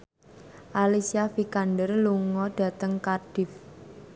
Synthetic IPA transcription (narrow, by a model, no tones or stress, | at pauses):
ʔalisiafikandərluŋɔɖ̥ä̤t̪əŋkarɖ̥ɪ̤f